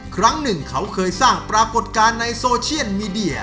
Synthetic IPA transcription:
kʰɾa˦˥ŋnɯ˨˩ŋkʰa˦˥wkʰɤː˧jsaː˥˩ŋpɾaː˧ko˨˩t̪̚kaː˧nːa˧jsoː˧t͡ɕʰi˥˩ətmiː˧di˧˩ɐ

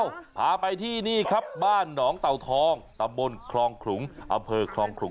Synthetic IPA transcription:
wpʰaː˨˧pa˧jt̪ʰiː˥˩niː˥˩kʰa˦˥p̚baː˥˩nːɔː˩˦ŋt̪a˨˩wt̪ʰɔː˧ŋt̪a˧mbo˧nkʰlɔː˧ŋkʰɾu˩˦ŋʔa̰˧mpʰɤː˧kʰɾlɔː˧ŋkʰɾu˩˦

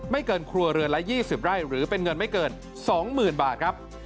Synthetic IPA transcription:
ma˥˩jkɤː˧nkʰɾu˧ɐɾɯ˧ənla˦˥jiː˥˩si˨˩p̚ɾaː˥˩jɾɯː˩˦pe˧nŋɤ˧nma˥˩jkɤː˧n | sɔː˩˦ŋmɯː˨˩nbaː˨˩t̪̚kʰɾa˦˥p̚

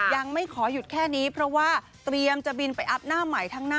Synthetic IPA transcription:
ja˧ŋma˥˩jkʰɔː˩˦ju˨˩t̪̚kʰɛː˥˩niː˦˥pʰɾɔ˦˥waː˥˩ | t̪ɾi˧əmt͡ɕa˨˩bi˧npa˧jʔa˦˥p̚naː˥˩mːa˨˩jt̪ʰaː˦˥ŋnaː˥

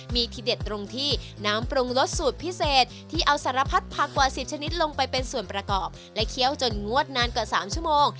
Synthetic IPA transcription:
miː˧t̪ʰi˧˩de˨˩t̪ːɾo˧ŋt̪ʰiː˥˩ | naː˦˥mpɾu˧ŋlo˦˥t̪̚suː˨˩t̪̚pʰi˦˥seː˨˩t̪̚ʰːiː˥˩ʔa˧wsaː˩˦ɾa˧pʰa˦˥t̪̚pʰa˧˩kwaː˨˩si˨˩p̚t͡ɕʰa˧ni˦˥t̪̚lo˧ŋpa˧jpe˧nsu˨˩ənpɾa˧kɔː˨˩p̚ | lɛ˦˥kʰi˦˥˩əwt͡ɕo˧nŋu˥˩ət̪̚naː˧nkwa˨˩saː˩˦mt͡ɕʰu˥˩əmoː˧ŋ

